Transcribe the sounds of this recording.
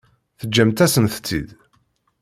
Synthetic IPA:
θəd͡ʒːæmt̪æsənθt͡sːḭd̪

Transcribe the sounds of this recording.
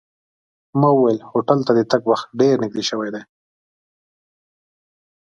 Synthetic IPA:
mawuwajlhoʈalt̪ad̪ət̪aɡwaxt̪̚ɖeɾnɪɡ̚d̪eʃəwajd̪aj

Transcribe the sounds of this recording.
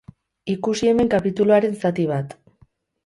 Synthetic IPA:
ikusie̞me̞ŋkapit̪uluaɾe̞nsat̪iβ̞at̪

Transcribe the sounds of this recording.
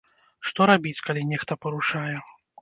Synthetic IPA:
ʂt̪ɔɾabʲit͡sʲkalʲinʲɛxt̪ɐpɐɾuʂajɛ

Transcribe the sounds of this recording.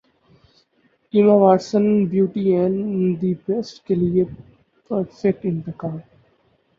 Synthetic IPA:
ɪmaʋaːɾsə̃nbjuːʈiɛ̃nd̪ipesʈkelie | pəɾfek̚ʈɪ̃nt̪ɪkaːl

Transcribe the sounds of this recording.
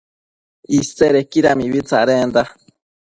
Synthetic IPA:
iseɾekiɾamiβit͡saɾend̪a

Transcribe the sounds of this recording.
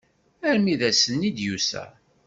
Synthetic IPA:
æɾmiðæsənːid̪jusæ̰

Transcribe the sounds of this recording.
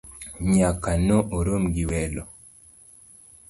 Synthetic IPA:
ɲakanoʔoɾomɡiwɛlo

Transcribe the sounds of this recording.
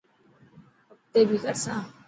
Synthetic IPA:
əp̚t̪eːbʱikəɾsãː

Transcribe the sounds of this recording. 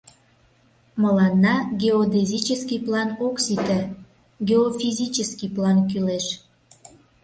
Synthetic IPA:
məlɑnːɑɡeod̪ezʲit͡ɕəskiplɑnoksit̪ə | ɡeofizʲit͡ɕəskiplɑnkyleʃ

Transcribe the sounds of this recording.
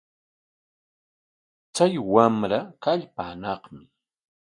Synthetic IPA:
t͡sajwamɾakaʎpaːnɑχmɪ

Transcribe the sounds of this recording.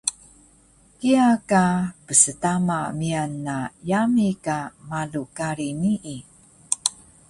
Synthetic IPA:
kiakapəsətamamianːajamikamalukaɾiniʔi

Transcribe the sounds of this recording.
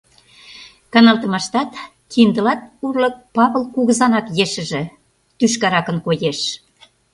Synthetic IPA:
kɑnɑlˠt̪ə̆mɑʃt̪ɑt̪ | kind̪ə̆lɑt̪̚urlɤ̆k̚pɑβəlkuɣəzɑnɑkjeʃə̆ʒĕ | t̪yʃkɑɾɑkə̆nkojeʃ

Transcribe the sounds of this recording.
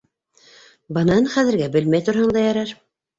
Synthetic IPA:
bɤ̆nɑɤnχæðɘ̆ɾɡæbɘlmæjt̪uɾhɑɴd̪ɑjɑɾɑɾ

